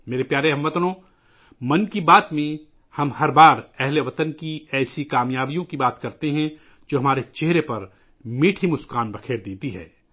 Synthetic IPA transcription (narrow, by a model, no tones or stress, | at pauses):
meːɾepjaːɾeɦɐ̃mʋɐt̪nõː | mɐnkibaːt̪mẽ | hɐmhɐɾbaːɾɛɦleʋɐt̪ənkiɛːsikaːmjaːbijõkibaːt̪kɐɾt̪eɦɛ̃ | d͡ʒoːɦɐmaːɾet͡ʃeɦɾepɐɾ | miːʈʰimʊskaːnbɐkʰeːɾd̪eːt̪iɦɛ̰ː